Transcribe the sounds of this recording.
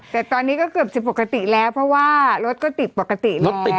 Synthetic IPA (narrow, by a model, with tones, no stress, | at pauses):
t̪ɛː˨˩t̪ɔː˧nːiː˦˥kɔː˥˩kɯ˨˩əp̚si˨˩pːa˨˩ka˧t̪i˨˩lɛː˦˥wpʰɾɔ˦˥waː˥˩ɾo˦˥t̪̚kɔː˥˩t̪i˨˩t̪̚po˨˩kːa˧t̪i˨˩lo˦ɛt̪i˨